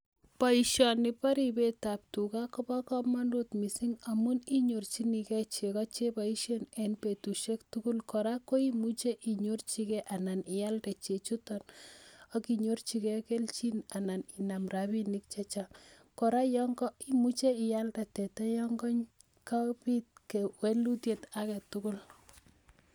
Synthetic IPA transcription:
pa˨iʃjɔnɪ˨pa˦ɾi˦be˦ta˨p̚tu˨ka˦kɔ˦ba˦kɔ˦ma˦ndo˦t̪mi˨si˦ŋa˨mu˦ni˦ɲo˨rt͡ʃi˦ni˨kɛ˦t͡ʃe˨kɔ˦t͡ʃe˦pa˨i˦ʃe˦nɛ˨npe˨tu˨ʃe˦ktuku˦lkɔɾa˦ko˦i˦mu˦t͡ʃe˦ʔi˨ɲo˦rt͡ʃi˦kɛ˦ʔa˨na˨nɪ˨ja˦ltɛ˨t͡ʃe˨t͡ʃu˦tɔnɔ˦ki˨ɲo˦rt͡ʃi˦kɛ˦ke˦lt͡ʃi˦na˨na˨nɪ˨na˨mra˨bi˦ni˦k̚t͡ʃe˦t͡ʃa˦ | kɔ˨ɾa˦jɔ˦ŋɡɔ˦i˦mu˦t͡ʃe˦ɪ˨ja˦ltɛ˨tɛ˨tɛ˦jɔ˦ŋɡɔ˦ɲ | ka˦pi˦t̚ke˨we˦lu˦tje˨ta˦kɛ˨tʊ˦kʊ˦l

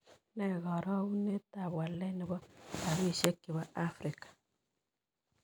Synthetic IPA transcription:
nɛ˨ɣɔ˨ɾɔ˦u˦ne˦ta˨βwa˨lɛ˦nɪ˨βɔ˦ta˨wi˦˨ʃɛ˦kːɪ˨βɔ˦a˦fɾɪ˨kḁ˨

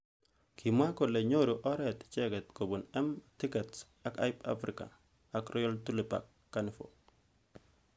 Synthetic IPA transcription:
kʰi˨mwa˦ko˨le˨ɲo˦ɾo˨ʔɔ˦ɾɛ˨t̪t͡ʃɛ˦ɡɛ˨t̪ko˨bo˨nɛ˦mti˦kɛ˨ts | a˦ka̰˦jpa̰˦fɾɪka̰˨ | a˨kɾɔ˦jɔ˦ltu˦li˨pa̰kːa˦nɪ˨fo̰

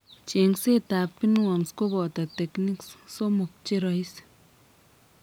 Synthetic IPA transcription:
t͡ʃe˨ŋse˦t̪a˨pːi˦nwa˨msko˦bo˨t̪a˨t̪e˨kni˦ksso˦mo˨k̚t͡ʃe˦ɾa˧i˦s

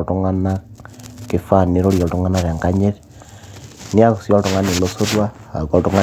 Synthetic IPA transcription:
to˦ŋa˦na | ke˦fa˦˨ne˦ɾo˦ɾje˨ltu˦ŋa˦na˦ɾe˨a˨ŋka˦ɲe˦ɾ | ni˦a˦ksjo˦lto˨ŋa˦ni˨loso˦ɾwa˦a̰˨ko˨ltu˦ŋa˦

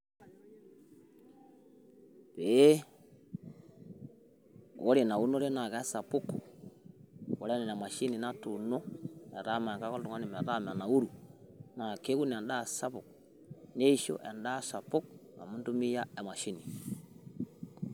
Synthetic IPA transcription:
pe˨˦ | o˦ɾe˨na˨u˦no˦ɾe˦na˨ka˦sa˨pu˦ku˨ | o˨ɾe˦nɛ˨na˨ma˨ʃi˦ni˨na˦tu˨no˦ɛ˨ɾa˦ma˨ka˦ko˦ltu˨ŋa˦ni˨mɛ˨ɾa˦˨m˨a˨na˨u˦ɾu˨na˨ke˦ku˦ni˨a˨nda˦˨sa˦pu˨k | ne˦i˦ʃo̰˦ʔɛ̰˨nda˦sa˨pu˦k̚na̰˨mu˦ntu˦mi˦ja˦ɛ˨ma˨ʃi˦ni˨

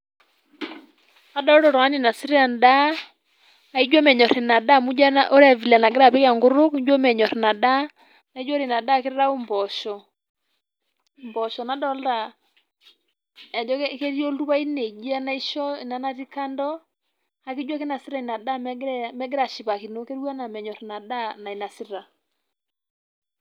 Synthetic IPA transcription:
a˦dɔ˦ɾɔ˦˨ɾɔ˨a˦ni˨na˨si˦ɾa˨nda˦ | a˨i˦d͡ʒwɔ˦mɛ˨ɲɔ˨ɾe˨na˨da˦˨mu˦d͡ʒa˦nʔo˦ɾa˨vi˨la˨na˨ɡɪɾa˨pɛ˦ka˨ŋɡʊ˦ɾʊ˦kd͡ʒwɔ˦mɛ˨ɲɔ˨ɾna˨da˦ | na˨i˦d͡ʒɔ˦ɾi˨na˨da˦kɪ˦ɾɾa˦u˦mbɔ˨ʃɔ˨ | mbɔ˨ʃɔ˨na˨dɔ˦lda˨ | ɛ˨dɔ˦ke˦ɾi˦ɔ˦lu˦pa˦i˦ne˨d͡ʒi˦a˦na˦i˦ʃɔ˦i˨na˨˦na˦ti˦ka˦ndɔ˦ | ha˦ki˦d͡ʒwa˦ke˦na˨si˦ɾa˨i˨na˨da˦mɛ˦ɡɪ˦ɾa˨ʃi˨pa˨ki˨no˦ke˦ɾa˦na˨mɛ˨ɲɔ˨ɾna˨da˦na˨i˨na˨si˦ɾa˨

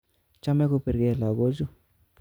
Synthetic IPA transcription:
t͡ʃa˦mɛ˦ko˦pe˨ɾɡe˦˨la˨ɡo˦d͡ʒu˦

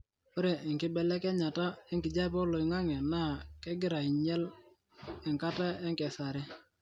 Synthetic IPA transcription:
o˦ɾe˨ɪ˨ŋkɪ˦bɛ˨lɛ˦kɛ˦ɲa˨ta˦ɛ˦ŋkɪ˨d͡ʒa˦pɔ˦lo˨i˨ŋa˦ŋɛ˨na˦˨kɛ˦ɡɪ˦ɾa˨i˨ɲɛ˦l | ɛ˨ŋka˦ta˦ɛ˦ŋkɛ˨sa˨ɾɪ˦

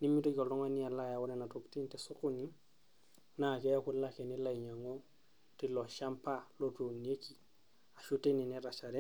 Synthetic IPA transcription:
ni˦mi˦to˦ko˨lɔ˦ŋa˦ni˦a˨la˦ja˨wu˦ne˨na˨to˨kti˦nti˨su˦ku˦ni˦ | na˨ke˦a˦ku˦la˦ke˨ni˦la˦˨ɲa˨ŋo | ti˦lo˨ʃa˦mpa˦lo˦tu˨ni˨e˦ki˨ | a˨ʃu˦te˦ni˨niɾa˨t͡ʃa˨ɾe˦

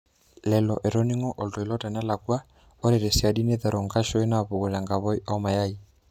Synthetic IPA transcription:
lɛ˨lɔ˨ʔɛ˨ɾɔ˦ni˦ŋɔ˦ʔɔ˨ltɔ˨i˨lɔ˦ta˨na˦la˨kwa˦ | ɔ˦ɾɛ˨ɾɛ˨si˨a˨di˦nɛ˦ða˨ɾɔ˨ŋɡa˦ʃɔ˦i˦na˦˨βo˨ɣɔ˨la˨ŋɡa˨βɔ˦i˦ʔɔ˦ma˨ja˦i˨

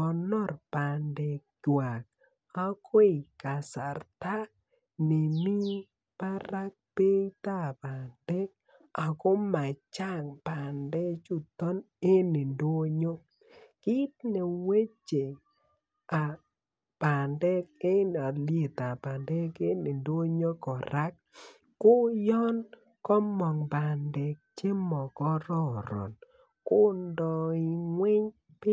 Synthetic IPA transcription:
ɔ˨nɔ˦rpa˨ndɛ˨k̚d͡ʒwa˨k̚ | a˦kʰo˦i˨ka˨sa˨rt̪a˦ | nɪ˨mi˦ | pa˦ɾa˦k̚pe˦i˦t̪a˦˨pa˨ndɛ˦k̚ | a˨ko˦ma˨t͡ʃa˦˨ŋpa˨ndɛ˦t͡ʃu˦˨t̪ɔ˦n | e˦ne˨ndo˦ɲo˦ | ki˦t̪ne˨we˦t͡ʃe˨ | a˨ | pa˨ndɛ˦k̚e˦na˨lje˨t̪a˨ba˨ndɛ˦ke˦ne˨ndo˦ɲo˦kɔ˨ɾa˦k̚ː | o˦jɔ˦n | kɔ˦mɔ˨ŋba˨ndɛ˨k̚t͡ʃe˦mɔ˨kɔ˦ɾɔ˦ɾɔ̰˨n | ko˦ndɔ˨i˨ŋwɪ˦ɲ | p

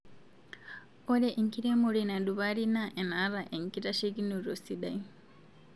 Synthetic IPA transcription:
o˦ɾe˦ʔe˨ŋ˨ki˦ɾe˦mo˨ɾina˨du˨βa˦ɾi˦na˦ʔe˨na˨˦ɾa˨ʔe˨ŋki˦ɾa˦ʃe˦ɡi˦nu˨ɾo˨si˦da˨i

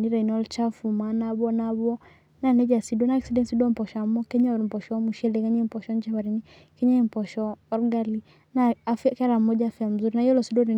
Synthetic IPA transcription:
ni˦ɾa˨inɔ˦lt͡ʃa˦fu˨manabɔ˦nabɔ˦ | na˨nɛ˦d͡ʒa˨sidɔ˦na˨ɛksi˦dɛ˦nsi˦dɔ˦m̩pɔ˨ʃa˨mɔ˦kɛ˦ɲa˦ɔɾm̩˨pɔʃɔmu˨ʃɛ˦lɛkɛɲa˦m̩˨pɔʃɔ˦ɲd͡ʒaβa˨ɾini | kɛ˦ɲa˦im̩˨pɔ˨ʃɔː˦ɾɡa˦li | nafkɛ˦ɾa˨mɔd͡ʒafi˦a˨m̩zu˦ɾina˨ijɔ˦lɔsi˦dwɔ˦ni˨

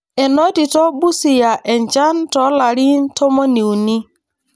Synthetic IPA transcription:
ɛ˨nɔ˦di˨tɔ˦bu˦si˨ja˨ʔɛ˨n˨d͡ʒa˦n˦tɔ˨˦la˨ɾi˦n̩˦tʰɔ˦mɔ˦ni˨u˨ni˦

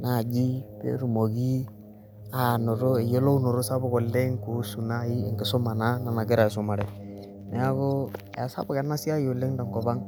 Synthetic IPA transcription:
na˦˨d͡ʒi˦bḛ˦ɾu˨mo˨ɡi˦ | a˨nɔ˨ɾʊ˦ɛ˨jo˦lo˦u˦nɔ˨ɾʊ˦sa˦bʊ˨kɔ˨lːe˦ŋku˨˦su˨na˦i˦ɪ˨ŋɡɪ˨sɔ˦ma˨na˦na˨na˨ɡɪ˦ɾa˨ɪ˨sɔ˦ma˨ɾɛ˨ | nɛ˨a˦ɡo˦ | a˨sa̰˦bʊ˨kɛ˨na˦si˦a˦jo˨lɪ˦ŋda˨ŋɡɔ˨ba˦ŋ

